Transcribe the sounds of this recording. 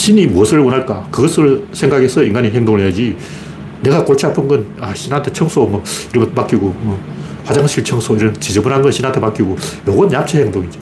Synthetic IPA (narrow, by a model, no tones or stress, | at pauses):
ɕʰinimuʌsʰɯɭwʌnaɭk͈akɯɡʌs͈ʰɯɭsʰeŋɡaɡesʰʌiŋɡaɲiɦeŋdoŋɭejad͡ʑi | ne̞ɡakoɭt͡ɕʰiapʰɯnɡʌnaɕʰinɦantʰet͡ɕʰʌŋsʰomwʌiɾʌmpak͈iɡomʌ | ɸwad͡ʑaŋɕʰiɭt͡ɕʰʌŋsʰoiɾʌnt͡ɕed͡ʑebunɦanɡʌnɕʰinɦantʰepak͈iɡojoɡʌnjap̚t͡ɕʰeheŋdoŋid͡ʑo